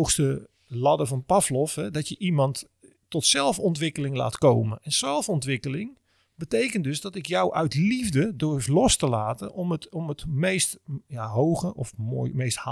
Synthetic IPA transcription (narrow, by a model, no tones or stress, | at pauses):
oxstə | lɑdəvɑnpɑflɔfhɛdɔtjəʔimɑntː | ɔtsɛlˠfɔntʋɪkəlɪŋla̰ːtkowmənɛnsɛlˠfɔntʋɪkəlɪŋ | bətejkəntdøzdɔtɪkjɔwʔœɥtlivdədʊɹflɔstəlaːtə̰nɔmətɔmətmejstjaɦowɣəʔɔfmo̰mejsth